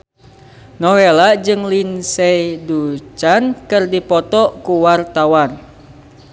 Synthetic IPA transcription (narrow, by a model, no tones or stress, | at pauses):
nɔwelad͡ʒɨŋlinsɛidut͡ʃankɨrdipɔt̪ɔkuwart̪awan